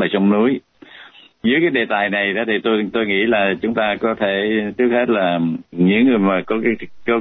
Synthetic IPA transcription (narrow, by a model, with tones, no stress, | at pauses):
laː˨˩t͡ɕɔ˧wŋ͡mnu˨˦əj | zɨː˨˦əkaː˨˦jɗe˨˩t̪aː˨˩jna˨˩jɗɔ̰˨˦t̪ʰi˨˩t̪o˧jt̪o˧jŋḭ˧˥laː˨˩t͡ɕʊ˨˦ŋ͡mt̪aː˧kɔ˨˦t̪ʰe˧˩t͡ɕɨ˦˥ək̚he˦˥t̚laː˨˩ɲɨ̰˧˥ŋːɨ˨˩əjmaː˨˩kɔ˨˦kːkə˧